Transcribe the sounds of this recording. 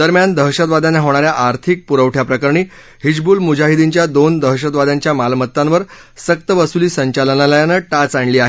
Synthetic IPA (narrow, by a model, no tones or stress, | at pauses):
d̪əɾmjand̪əɦɕət̪ʋad̪anaɦoɳ̃aɾjaʔaɾt̪ʰik̚puɾəʋʈʰjapɾəkəɾɳiː | ɦid͡ʑbuːlmud͡ʑaɦid̪iɲt͡ɕjad̪ond̪əɦɕət̪ʋad̪aɲt͡ɕjamalmət̪ːãʋəɾ | sək̚t̪əʋəsuliːsəɲt͡ɕalənaləjanəʈat͡saɳliːaɦe